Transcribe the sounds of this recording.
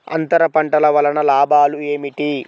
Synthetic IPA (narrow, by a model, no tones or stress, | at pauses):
ɐ̰nt̪ɐɾɐpɐɳʈɐlɐʋɐlɐnɐlaːbʱaːlueːmiʈi